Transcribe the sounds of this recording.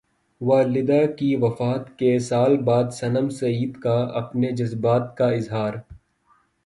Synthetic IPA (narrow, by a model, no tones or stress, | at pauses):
ʋaːlɪd̪akiʋɐfaːt̪kesaːlbaːd̪sɐnəmsɐiːd̪kaɐ̰pned͡ʒɐzbaːt̪̚kaɪzɦaːɾ